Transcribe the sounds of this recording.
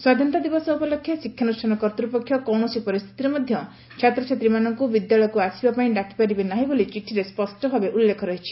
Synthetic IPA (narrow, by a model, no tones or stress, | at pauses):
swad̪ʱjɔnt̪ɔd̪ibɔsɔupɔlokʰːjɔsikʰːjanusʈanɔkɔɾt̪ɾupɔkʰːjɔkɔwɳɔsipɔɾist̪ʰi̥t̪iɾɔmɔd̪ʱjɔ | t͡ʃʰat̪ɾɔt͡ʃʰat̪ɾimanɔŋkubid̪jaɭɔjɔkuasibapaĩɖakʰi̥paɾibenaɦibolit͡ʃiʈʰiɾespɔsʈɔbʱabeʔulːekʰɔɾɔɦit͡ʃʰi̥